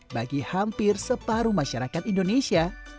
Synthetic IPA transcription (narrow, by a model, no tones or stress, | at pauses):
baɡihampɪrsəpaɾumaʃaɾakat̪̚indonesia